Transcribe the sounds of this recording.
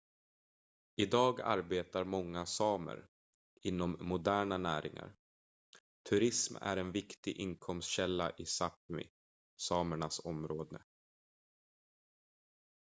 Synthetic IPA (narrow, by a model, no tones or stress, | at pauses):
ɪd̪ɑːɡa̰ɾbeːt̪aɾmɔŋːasɑːmə̰ɾ | ɪnːɔmːʊd̪æːɳanæːɾɪ̰ŋa̰ɾ | t̪ʰɵɾɪsmæ̰ɾɛnvɪkt̪ɪɡʔɪnkʰɔmst̪ɕɛlːaʔɪsap̚mɪ̰ | sɑːməɳasɔmɾoːd̪ə